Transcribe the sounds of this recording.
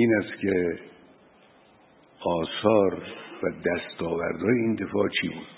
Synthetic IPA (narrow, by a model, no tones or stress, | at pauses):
iːnæst̪kʲʰe | ʔɒːsɒːɾvæd̪æst̪ɒːvæ̰ɾd̪ɒːjeind̪e̞fɒːʔt͡ʃʰiːbuːd̪̥